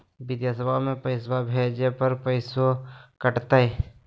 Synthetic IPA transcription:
bɪd̪jasəbʱamẽpəɪsbʱabʱeːd͡ʒepəɾpəɪsokəʈt̪aɛ

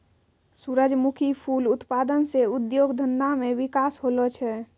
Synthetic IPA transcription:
suɾəd͡ʒmukʰipʰuːlʊt̪paːd̪ənseʊd̪joːɡd̪ʱənd̪amẽʋɪkaːsɦoːlət͡ʃʰɛː

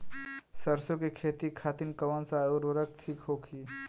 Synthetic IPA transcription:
səɾsokekʰeːt̪ikʰaːt̪inkəʋənsaʊɾʋəɾək̚t̪ʰikɦoːkʰi

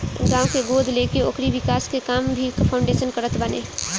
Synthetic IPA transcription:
ɡãũkeɡod̪ʱlekeokɾiʋikaːskekaːmbʱikəpʰãʊ̃ɳɖesənkəɾət̪bənḛ

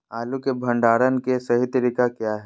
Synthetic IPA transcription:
aːlukebʱɐ̃ɳɖaːɾənkesɐɦit̪ɐɾikakjaːɦɛ

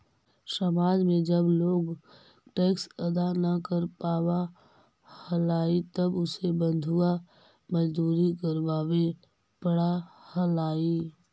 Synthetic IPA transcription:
səmaːd͡ʒmẽd͡ʒəbloːɡ | ʈeːksɐd̪anəkəɾpaːwa | həlaːit̪ɐbʊsebə̃nd̪ʱua | məd͡ʒd̪uːɾikəɾʋaːwe | pəɽahəlaːi

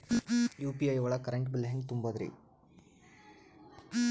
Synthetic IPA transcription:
juːpiɐjʋɐɭɐkɐɾeɳʈbilɦeŋɡ̚t̪umbɐd̪ɾḭ

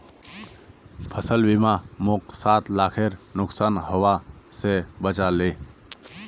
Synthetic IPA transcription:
pʰəsəlbimãmʊksaːt̪laːkʰeɾnʊksaːnɦoʋasebət͡ʃaleː

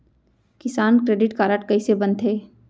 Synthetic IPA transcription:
kɪsaːnkɾeːɖɪʈkaːɾəʈkɐisebɐ̃nt̪ɦeː

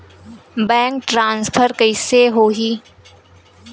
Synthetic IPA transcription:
bɛ̃ːŋk̚ʈɾãːnspʰəɾkəɪseɦoːɦiː

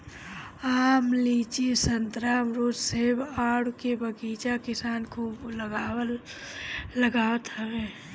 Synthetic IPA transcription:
aːmliːt͡ʃisənt̪ɾaːmɾoːd͡ʒsebaːɽkebəɡiːt͡ʃakɪsaːnkʰuːbləɡaːəl | ləɡaːwət̪ɦəʋeː

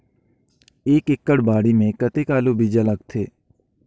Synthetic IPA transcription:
eːkɪkːəɽbaːɽimẽkɐt̪ekaːlobʱid͡ʒalɐɡ̚t̪ʰeː

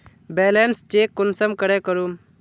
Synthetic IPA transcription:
bɛlenst͡ʃekːʊnsəmkəɽɛkəɾum

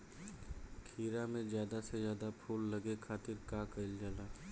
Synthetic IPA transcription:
kʰiːɾamẽzjaːd̪asezjaːd̪apʰuːlːɐɡekʰaːt̪ɪɾkaːkɐɪld͡ʒaːlaː

